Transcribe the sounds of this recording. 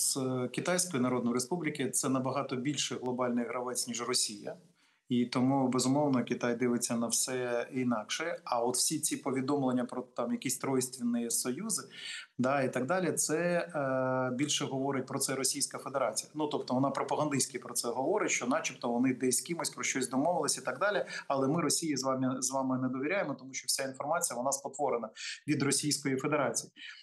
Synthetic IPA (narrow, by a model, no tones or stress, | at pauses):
z̥kʲɪt̪ajsʲkɔjinɐɾɔd̪nɔjɾespublʲɪkɪt̪sɛnɐbɐɦɑt̪ɔbʲilʲʃɛɣlˠɔbɑlʲnɪjɦɾɐʋɪt͡sʲnʲiʒrɔsʲijɐ̰ | it̪ɔmubɛzʊmɔwnɔkʲɪt̪ajd̪ɪʋɪt͡sʲːɐnɐwsɛinɑkʃɛɐɔt̪wsʲit͡sʲipɔʋʲid̪ɔmlˠenʲːɐpɾɔt̪ɑmjɐkisʲt̪ɾɔjɪsʲt̪ʲʋʲinːɪjɛsɔjuzɪd̪ait̪ɐɡ̚d̪ɑlʲit̪sɛ | bʲilʲʃɛɦɔʋɔɾɪt̚ʲpɾɔt̪sɛɾɔsʲijsʲkɐfed̪eɾɑt͡sʲijɐnut̪ɔp̚t̪ɔʋɔnɑpɾɔpɐɦɐnd̪ɪsʲkʲɪpɾɔt̪sɛɦɔʋɔɾɪtʲʃt͡ʃɔnɑt͡ʃipt̪ɔʋɔnɪd̪ɛsʲkʲimʊsʲpɾɔʃt͡ʃɔsʲd̪ɔmɔʋɪlˠɪsʲit̪aɡd̪ɑlʲɪɐlˠɛmɪɾɔsʲijizʋɑmɪzʋɑmɪnɛd̪ɔʋʲiɾʲajemɔt̪ɔmuʃt͡ʃɔwsʲainfɔrmɑt͡sʲijɐʋɔnɑspɔt̪ʋɔɾɪnɐʋʲid̪rɔsʲijsʲkɔjifed̪eɾɑt͡sʲiji